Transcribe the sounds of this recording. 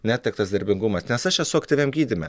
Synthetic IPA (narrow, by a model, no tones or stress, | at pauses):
nʲæːtt̪ʲɪkt̪ɐsd̪ɐɾʲbʲɪŋɡʊmɐsnʲɛsɐʃjɛsʊɐktʲiːʋʲeɛmɡʲiːd̪ʲɪmʲɛ